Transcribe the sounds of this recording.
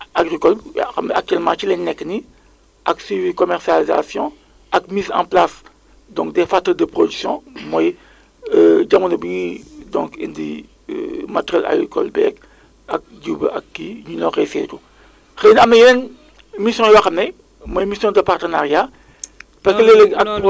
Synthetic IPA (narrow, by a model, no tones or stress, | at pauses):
aɡrikɔlɐmak̚tyɛlmãːt͡ʃilɛnnɛkːni | ʔɐkswivikɔmɛrsializa̰sjɔ̃ | ʔɐkmiːzã̰plas | dɔ̃ŋkdɛfatːɐdəpɾodyksjɔ̃mɔj | əɟamunɐbiŋidɔ̰̃ŋkḭndḭ | matɾjɛlʔa̰ɡikɔ̰lbɛ̰ːɡ | ɐk̚d͡ʒuːbɐ̰ʔɐ̰kːiɲunɔrɛfɛ̰ːtu | xenɐmɐjlɛn | misjɔ̃jwaxɐmnɐj | mɔjmisjɔ̃dɐpartənarja | pɐkəlɛlɛɐp